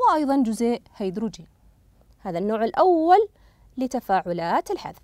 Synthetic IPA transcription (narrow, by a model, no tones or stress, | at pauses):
wɪʔɑjðˤɑnd͡ʒʊzeːʔhajd̪ɾʊd͡ʒi | haːðanːoːʕɪlʔawːalː | ɪt̪afaːʕʊlaːt̪ɪlħa̰ð